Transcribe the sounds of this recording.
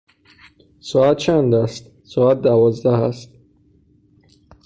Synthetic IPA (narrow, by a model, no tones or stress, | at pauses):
sɔat̪̚t͡ʃʰand̪ast̪ | sɔat̪̚d̪avɒzd̪ahæ̰st̪̚